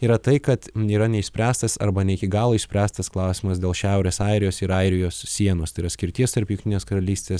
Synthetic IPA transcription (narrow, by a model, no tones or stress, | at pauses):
iːɾɐt̪ɐɪkɐt̪iːɾɐnʲɛɪʃsʲpʲɾʲæːst̪ɐsɐ̰ɾbɐnʲɛɪkʲɪɡɑːlˠoːɪʃsʲpʲɾʲæːst̪ɐsklˠɑˑʊsʲɪmɐsd̪ʲeːlˠʃʲæˑʊɾʲeːsɐɪɾʲɪjoːsɪɾɐɪɾʲɪjoːssʲiɛnoːst̪ɐɪɾɐsʲkʲɪɾʲt̪ʲiɛst̪ɐɾpʲjʊŋʲkt̪ʲɪneːskɐɾɐlʲiːsʲt̪ʲeːs